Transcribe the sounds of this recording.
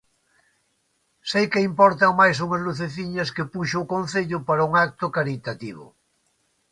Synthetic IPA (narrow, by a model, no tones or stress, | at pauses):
sejkeimpɔɾt̪amajs̬uŋazluθeθiɲaskepuʃoukõn̟θeʎʊpaɾauŋak̚t̪okaɾit̪at̪iβ̞ʊ̰